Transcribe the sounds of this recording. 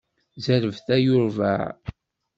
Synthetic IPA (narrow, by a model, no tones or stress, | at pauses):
zæɾəvθæjʊɾvæ̰ʕ